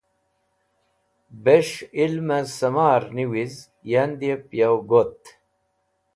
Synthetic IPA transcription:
beʂilmɐsɐmaːɾniwiz | jand̪iepjawɡot̪

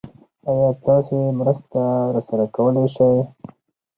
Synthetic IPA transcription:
ajɑːt̪ɑsemɾəst̪aɾasaɾakawəleʃaj

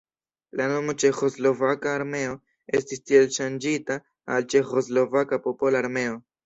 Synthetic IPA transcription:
lano̞mo̞t͡ʃe̞xo̞slo̞vakaːɾme̞o̞ | e̞stistie̞lʃand͡ʒita | alt͡ʃe̞xo̞zlo̞vakapo̞po̞laːɾme̞o̞

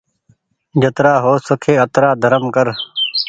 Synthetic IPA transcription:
d͡ʒət̪ɾaːɦoːsəkʰeːət̪ɾaːd̪ʱəɾəmkəɾ

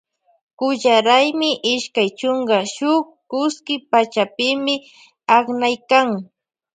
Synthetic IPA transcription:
kʊʎaɾajmɪʔɪʃkajt͡ʃʊŋɡaʃʊk | kʊskɪpat͡ʃapɪmɪ | aknajkaŋ

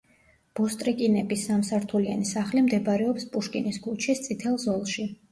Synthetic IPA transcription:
b̥ɔst̪ʼɾikʼinɛbisːamsaɾt̪ʰulianisaχlimd̪ɛbaɾɛɔpspʼuʃkʼinisɡulˠt͡ʃʰist̪sʼit̪ʰɛlˠzɔlˠʃi

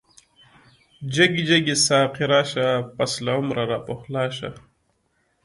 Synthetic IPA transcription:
d͡ʒɐɡid͡ʒɐɡisaːqiɾaːɕapɐslaumɾaɾaːpoxlaːɕa̰

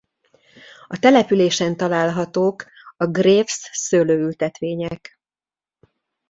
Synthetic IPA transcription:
ɒt̪ɛlɛpyleːʃɛnt̪ɒlaːlɦɒt̪oːk | ɒɡreːfsːøːløːylt̪ɛt̪ʋeːɲɛk

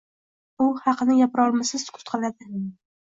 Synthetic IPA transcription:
ʊhɑqɨnɪjapɾɒlˠmɪsɪz̥kʰʊ̥t̪qʰɑlad̪ɪ

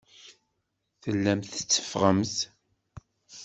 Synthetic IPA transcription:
θəlːæmθə̥t͡sːə̥fʁəmθ

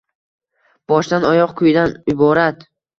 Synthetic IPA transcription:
b̥ɒʃd̪anɒjɒqkʰʊjd̪anɪbɒɾat̪

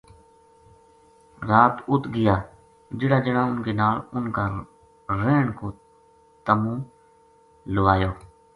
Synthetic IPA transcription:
ɾaːt̪ʊt̪ɡɪjaː | d͡ʒɪɽaːd͡ʒəɽãːʊnkeːnaːlʊnkaː | ɾeːɳkoː | t̪əmũː | lʊʋaːjoː

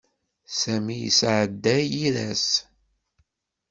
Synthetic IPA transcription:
sæmijḭsʕəd̪ːæjiɾæs

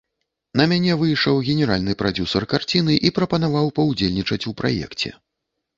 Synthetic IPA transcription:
nɐmʲanʲɛvɨjʂɐwɣʲɛnʲɛɾalʲnɨpɾad͡zʲusɐrkart͡sʲinɨʔipɾɐpɐnavawpɐwd͡zʲelʲnʲit͡ʂɐt͡sʲupɾa̰jɛ̰kt͡sʲɛ̰

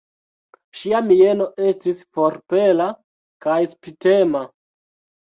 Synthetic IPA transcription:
ʃiamie̞no̞ʔe̞stispoɾpe̞la | kajspite̞ma

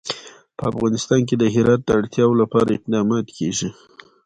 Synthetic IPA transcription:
pəafɣɑnɪst̪ɑnk̬ed̪əɦɪɾɑt̪̚d̪əaɽt̪jɑwolapɑɾaɪq̚d̪ɑmɑt̪kʰeʒi

